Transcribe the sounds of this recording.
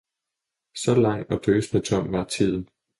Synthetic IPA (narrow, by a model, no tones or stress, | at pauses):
sɒ̽lɑ̈ŋ̰ɒ̽d̥øːsnət͡sʰɒm̰ʋɑ̈t͡sʰið̰ˠn̩